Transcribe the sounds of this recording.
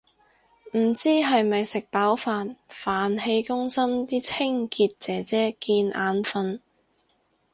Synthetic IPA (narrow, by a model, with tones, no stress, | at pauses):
m̩˨˩t͡siː˥ɦɐ˨jmɐ˨jsɪ˨k̚paː˨˥wfaː˨nfaː˨nɦe˧jkʊ˥ŋsɐ˥mt̪iː˥t͡sʰɪ˥ŋkiː˧t̚t͡sɛː˨t͡sɛː˥kiː˧nʔaː˨˧nfɐ˧n